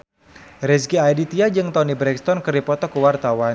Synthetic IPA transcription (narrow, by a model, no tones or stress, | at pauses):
ɾɛsɡiajdit̪iad͡ʒɨŋt̪ɔnibɾɛkst̪ɔnkɨrdipɔt̪ɔkuwart̪awan